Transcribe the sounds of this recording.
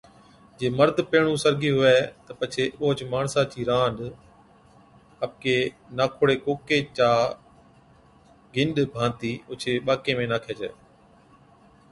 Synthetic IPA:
d͡ʒeːməɾd̪ʱpeːɳũːsəɾɡiːɦʊɛːt̪əpət͡ʃʰeːɓoːt͡ʃmaːɳsãːt͡ʃiːɾãːnɖ̪ | əpkeː | naːkʰoːɽeːkoːkeːt͡ʃaː | ɡɪnɗbʱãːnt̪iːʊt͡ʃʰeːɓaːkeːmẽːnaːkʰeːd͡ʒḛː

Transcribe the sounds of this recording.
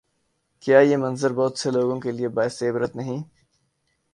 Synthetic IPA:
kjaːjemɐ̃nzəɾbɔːt̪seloːɡõkeliebaːɪseːbɾət̪nɐɦĩː

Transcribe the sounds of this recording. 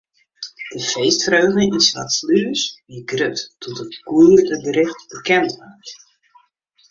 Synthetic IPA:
d̥əfejstfrøɥχnəinsʋa̰tslyəsʋiɡrøttʰɔtətkuərdəbəɾɪχtb̥əkɛntʋart

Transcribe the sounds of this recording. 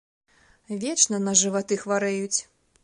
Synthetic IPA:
vʲɛt͡ʂnɐnɐʐɨvat̪ɨxvaɾɛjut͡sʲ

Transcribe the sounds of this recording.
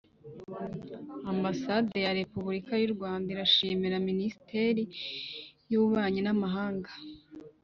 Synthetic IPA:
ambasadejaɾe̞puβuɾikajuɾɡwaːndaiɾaʃiːmiɾaminisi̥tʰe̞ːɾi | juβaːɲinamaɦaːŋɡḁ

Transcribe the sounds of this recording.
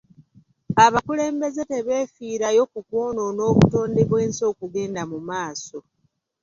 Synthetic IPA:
aβakule̞ːmbe̞zete̞βe̞ːfiːɾajo̞kukwoːno̞no̞ːβuto̞ːndeβwe̞ːnso̞ːkuɡe̞ːndamumaːso̞

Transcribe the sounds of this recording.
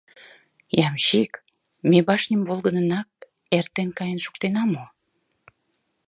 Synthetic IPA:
jɑmɕik | mebɑʃnʲəmvolɡənənɑk̚ | ert̪enkɑjənʃu̥k̚t̪enɑmo

